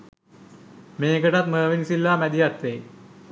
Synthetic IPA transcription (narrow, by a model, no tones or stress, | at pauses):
meːɡəʈat̪məːʋinisilːaːmæd̪ijat̪ʋej